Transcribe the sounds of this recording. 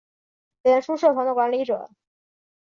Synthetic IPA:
ljɛ˧˥nʂu˥ʂə˥˩fʰɑ˧˥ŋd̪ə˧kwa˧˥nli˧˥ʈ͡ʂɤ̰˨˩˦

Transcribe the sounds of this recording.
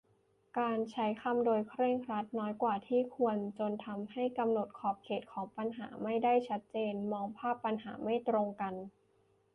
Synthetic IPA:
kaː˧nt͡ɕʰa˦˥jkʰa˧mdoː˧jkʰɾeː˥˩ŋɾa˦˥t̪̚nɔː˦˥jkwaː˨˩t̪ʰiː˥˩kʰu˧ənt͡ɕo˧nt̪ʰa˧mɦa˥˩jka˧mno˨˩t̪̚kʰɔː˨˩p̚kʰeː˨˩t̪̚kʰɔː˩˦ŋpa˧nɦa̰ː˩˦ma˥˩jda˥˩jt͡ɕʰa˦˥t̪̚t͡ɕeː˧nmɔː˧ŋpʰaː˥˩pːa˧nɦa̰ː˩˦ma˥˩jt̪ɾo˧ŋka˧n

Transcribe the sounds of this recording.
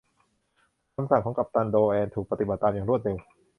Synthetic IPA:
kʰa˧msa˨˩kʰɔː˩˦ŋka˨˩p̚t̪a˧ndoː˧ʔɛː˧nt̪ʰuː˨˩k̚pa˧t̪i˨˩ba˨˩t̪ːaː˧mjaː˨˩ŋɾu˥˩ət̪̚ɾe˧w

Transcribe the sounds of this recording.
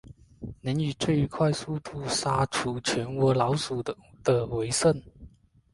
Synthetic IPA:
nə˧˥ny˨˩ʈ͡ʂe˥˩ɪy˧˥kʰwa˥˧ɪsu˥˧t̪ʰu˥˩sa˥ʈ͡ʂʰu˧˥t͡ɕʰɥɛ˧˥nwɔ˧˥lɑ˧˥ʊsu˨˩ | d̪ə˧we˧˥ɪsə˥˩n

